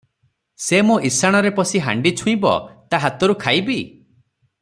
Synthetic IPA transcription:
semuʔisaɽ̃ɔɾepɔsiɦa̰ɳɖit͡ʃʰũĩbɔ̰t̪aɦat̪ɔɾukʰajbi

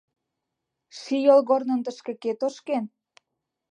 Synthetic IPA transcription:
ʃijolɣornə̆nt̪əʃkĕket̪oʃken

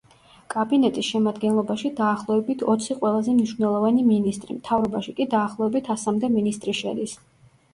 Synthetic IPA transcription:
kʼabinɛt̪ʼisʃɛmad̪ɡɛnlˠɔbaʃid̪aːχlˠɔɛbit̪ʰɔt̪sʰiqʼwɛlˠazɛmniʃvnɛlˠɔvaniminist̪ʼɾḭmt̪ʰavɾɔbaʃikʼid̪aːχlˠɔɛbit̪ʰasamd̪ɛminist̪ʼɾiʃɛ̰d̪is

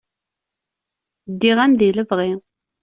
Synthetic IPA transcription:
d̪ːiʁæmðiləvʁi

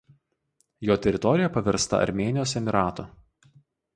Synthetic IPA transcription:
joːt̪ʲɛɾʲɪt̪ɔɾʲɪjɛpɐʋʲɛɾst̪ɐ̰ɐ̰ɾʲmʲeːnʲɪjoːsɛmʲɪɾɑːt̪o

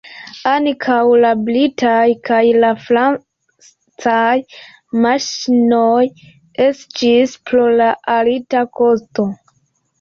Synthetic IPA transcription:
ankʰawlablitʰajkʰajlafɾa | t͡saj | maʃinoj | e̞stispɾolaʔalitako̞sto̞

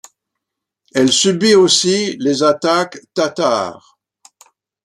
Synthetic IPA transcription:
ɛlsybiosilezat̪akt̪at̪a̰ʁ

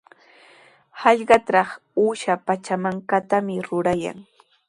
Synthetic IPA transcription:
hɑʎɢɑt̪ɾɑχ | uːʃapat͡ʃamaŋkat̪amɪɾʊɾaja̰ŋ

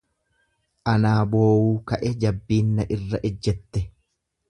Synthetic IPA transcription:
ʔɐnaːbo̞ːwuːkɐʔɛd͡ʒɐbːiːnːɐʔɪrːɐʔɪd͡ʒːɛt̪ːɛ

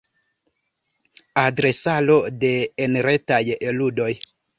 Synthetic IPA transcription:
adɾe̞salo̞de̞ːnɾe̞tajeludo̞j

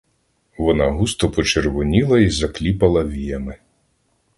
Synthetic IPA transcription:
ʋɔnɑɦust̪ɔpɔt͡ʃerʋʊnʲilˠɐizɐklʲipɐlˠɐʋʲijɐmɪ

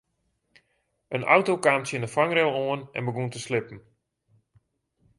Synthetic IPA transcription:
ʔənʔa̰wtowkaːmtjɪndəfaŋrɛlˠoənɛ̰nməɡuntəslɪpn̩

